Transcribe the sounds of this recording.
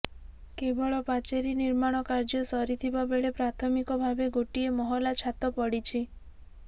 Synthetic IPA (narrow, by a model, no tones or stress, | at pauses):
kebɔɭɔpat͡ʃeɾiniɾmaɽ̃ɔkaɾd͡ʒɔsɔɾit̪ʰibabeɭepɾat̪ʰɔmikɔbʱabeɡoʈiemɔɦɔlat͡ʃʰat̪ɔpɔɽit͡ʃʰi